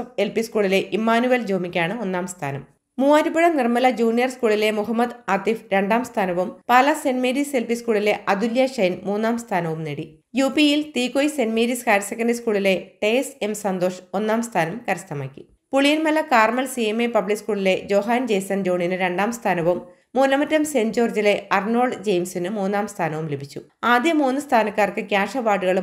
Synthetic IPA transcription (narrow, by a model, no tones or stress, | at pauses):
elpiskuːɭile̞ʔimaːnuʋɐld͡ʑoːmikʲːaːɳɨo̞nːaːmst̪ʰa̰ːnɐm | muːaɾubiɻɐnirmɐlɐd͡ʑuːnijɐrskuːɭile̞muɦɐmːɐd̪ɐt̪ifɾe̞ɳɖaːmst̪ʰaːnɐʋumpaːlɐse̞nmeːɾise̞lpiskuːɭileʔɐd̪uljɐʂɐjnmuːnːaːmst̪ʰaːnɐʋumneɽi | juːpijilt̪iːkːojsenmeːɾiskaːɾɐsekːɐɳɖiskuːɭile̞ʈesemsɐnd̪o̞ːʂo̞nːaːmst̪ʰaːnɐmkɐɾɐst̪ɐmaːkʲːḭ | puɭijɐnmɐlɐkaːrmɐlsieme̞pɐbɭikskuːɭile̞d͡ʑo̞ːɦaːnd͡ʑejsɐnd͡ʑo̞ːɳinɨɾe̞ɳɖaːmst̪ʰaːnɐʋumː | uːnɐmɐtːɐmse̞nd͡ʑo̞ːrd͡ʑile̞ʔɐrno̞ːɭɖd͡ʑejmsinɨmuːnːaːmst̪ʰaːnɐʋumlebʱit͡ɕːṵ | aːd̪jɐmuːnːɨst̪ʰaːnɐkːaːrkɨkʲjaːʂɐʋaːɖuɣɐɭu